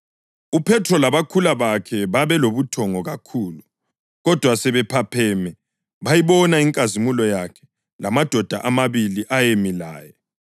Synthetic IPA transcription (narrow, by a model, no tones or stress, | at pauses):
upʰɛtʰrɔlaβakʰulaβakʰɛβaβɛloβutʰɔŋɔɣakʰuːlu | ɣɔd̥ʱwasɛβɛpʰapʰɛmɛ | βajiβɔnaiŋkʼazimulɔjakʰɛ̥ | lamad̥ʱɔd̥ʱa̰ʔamaβiliʔajemila̰ːjɛ